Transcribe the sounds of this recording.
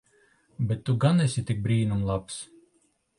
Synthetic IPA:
bɛt̪ːuɡanɛsʲit̪ʲik̚bɾiːnumlˠaps

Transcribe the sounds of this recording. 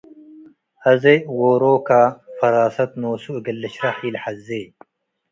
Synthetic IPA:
hɐzewoːɾoːkafɐɾaːsɐt̪noːsuɨɡɐlːɐɕɾɐħiːlħɐzːe

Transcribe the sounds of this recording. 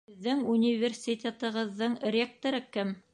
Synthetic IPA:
ɘðːɘŋunʲivʲersʲit̪ʲet̪ɤ̆ʁɤ̆ðːɤɴrʲek̚t̪oɾɤkɘm

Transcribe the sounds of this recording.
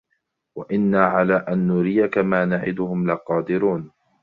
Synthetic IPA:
waʔɪnːaːʕalaːʔanːʊɾɪjakamaːnaʕɪ̰d̪ʊhʊmlaqɑːd̪ɪɾuːn

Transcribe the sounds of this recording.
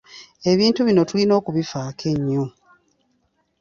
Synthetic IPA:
e̞βiːntuβino̞tulino̞ːkuβifaːkʰe̞ɲːo

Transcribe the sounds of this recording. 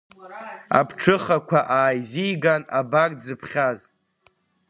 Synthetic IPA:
a̰pʰʈ͡ʂʰɨχakʷʰaʔaːjzijɡanabakʼd͡zɨpʰχʲaz

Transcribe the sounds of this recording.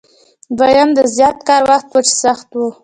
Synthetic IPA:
bajamd̪əzjɑt̪̚kɑɾwaxt̪wət͡ʃe̥saxt̪wu

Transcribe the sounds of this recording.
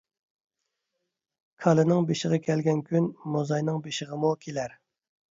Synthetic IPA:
kʰɑlˠɨnɨŋbeʃɪʁɑkʲʰɛlɡʲɛnkʲʰynmozɑjnɨŋbeʃɪʁəmukʲʰelæɾ

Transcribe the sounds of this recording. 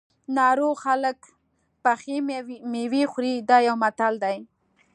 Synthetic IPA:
nɑɾoxalək | paximewixɾid̪ɑjawmat̪ald̪aj

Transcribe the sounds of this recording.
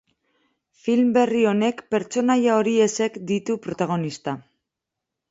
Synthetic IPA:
filmbe̞rio̞ne̞kpe̞ɾt͡ʃo̞najao̞ɾie̞se̞kd̪it̪upɾo̞t̪aɣ̞o̞nist̪a

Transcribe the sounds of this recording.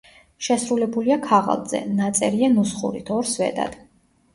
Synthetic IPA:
ʃɛsɾulɛbuliakʰaʁa̰lˠd̪z̥ɛ̰nat̪sʼɛɾianusχṵɾit̪ʰɔɾsvɛ̰d̪a̰d̪̥

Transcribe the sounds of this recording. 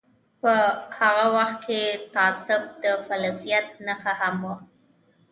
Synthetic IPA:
pəhaɣawaxt̪̚kʰet̪ɑsɪb̚d̪əfalasijat̪̚nəxahamwu

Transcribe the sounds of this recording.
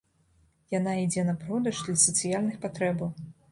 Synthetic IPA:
janaid͡zʲɛnɐpɾɔd̪ɐʐd̪lʲɐsɐt̪sɨjalʲnɨxpat̪ɾɛbɐw

